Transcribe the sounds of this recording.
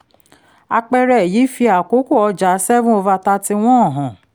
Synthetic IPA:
a̰˧k͡pɛ˧ɾɛ˦˨jiː˨˦fi˧a˨ko˨˦ko˦˨ɔ˧d͡ʒa˨˦sɛ˦vũ˦o˧va˧ta˧ti˧w̃ɔ̃˦ɔ˦˨ɦɔ̃˨

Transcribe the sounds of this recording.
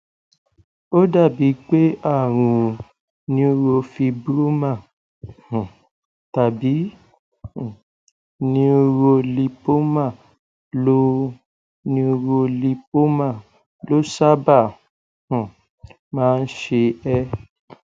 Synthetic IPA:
o˦da˦˨bi˨˦k͡pe˦a˦˨ɾ̃ũ˨ | nĩ˧o˧ɾo˧fi˧bɾo˦mã˦˨ | h̩˨ | ta˨bĩ˨˦˨ | nĩ˧˦o˧ɾo˧li˧po˦mã˦˨ | lo˦ | nĩ˧o˧ɾo˧li˧po˦mã˦˨ | lo˦sa˦ba˦˨ | hũ˨ | mãː˦˧n̩˦ʃe˧ɛ˧

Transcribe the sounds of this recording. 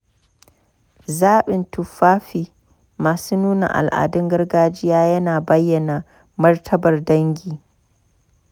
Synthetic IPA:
zaː˦ɓɪ˨ntʊ˨ɸaː˦ɸiː˨ | maː˨suː˦nuː˦na̰˨ʔa̰˨lʔa̰ː˨dʊ˦ŋɡɐ˦rɡaː˦d͡ʒɪ˦jaː˦jɐ˦naː˨bɐ˦jːɐ˨na˨ | mɐ˦rtʰɐ˦bɐ˨rdɐ˦ŋɡʲiː˨

